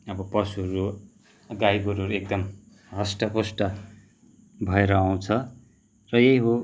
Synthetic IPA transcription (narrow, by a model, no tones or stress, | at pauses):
ʌbʌpʌsuɦʌɾu | ɡajɡoɾɦʌɾuek̚d̪ʌm | ɦʌsʈʌposʈʌ | bʱʌeɾʌaw̃t͡sʰʌ | rʌjeiɦo